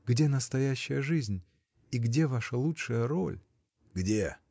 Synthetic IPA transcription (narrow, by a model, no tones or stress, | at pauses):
ɡdʲe̞nəst̪ɐjæɕːɪjəʐɨzʲnʲ | iɡdʲe̞vaʂəlˠutʂəjəɾo̰lʲ | ɡdʲe